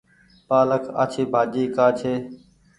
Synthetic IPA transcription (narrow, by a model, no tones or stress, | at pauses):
paːləkʰa̰ːt͡ʃʰeːbʱaːd͡ʒiːkaːt͡ʃʰeː